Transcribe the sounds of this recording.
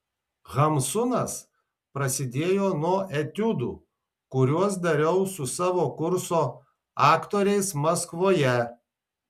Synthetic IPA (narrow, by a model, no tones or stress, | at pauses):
ɣɐmsʊnɐs | pɾɐsʲɪd̪ʲeːjoːnuɔʔɛt̪ʲʊd̪ṵː | kʊɾʲuɔs̬d̪ɐɾʲɛʊsʊsɑːʋoːkʊɾsoː | ɑːkt̪oːɾʲɛɪsmɐskʋoːjɛ